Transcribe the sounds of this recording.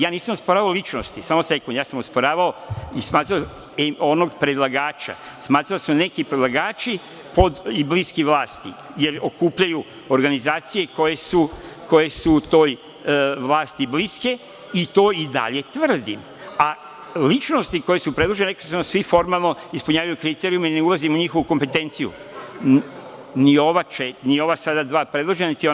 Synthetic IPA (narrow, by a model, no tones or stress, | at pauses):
jaːniːsamospoɾaːʋaolˠit͡ʃnost̪isaːmose̞kund̪jaːsamospoɾaːʋaoismaːt̪ɾao | onoɡpɾed̪lˠaɡaːt͡ʃa̰ | smaːt̪ɾaosne̞kipɾed̪lˠaɡaːt͡ʃi | po̞d̪ibliskiʋlˠaːst̪ḭje̞ɾokuːpʎaju | oɾɡanizaːt̪sije̞ko̞je̞suko̞je̞sut̪o̞ːj | ʋlˠaːst̪ibliske̞ | it̪o̞ːid̪a̰ʎe̞t̪ʋr̩d̪im | a | lit͡ʃno̞st̪iko̞jesupɾed̪ˠoʒeneko̥somsʋifo̞ɾmalˠno̞ispuɲaːʋajukɾit̪eɾiumaine̞ulˠazimuɲixo̞ʋukompet̪e̞nt̪sijṵ | nio̞ʋat͡ʃenio̞ʋasad̪ad̪ʋaːpɾe̞d̪lˠoʒenanit̪io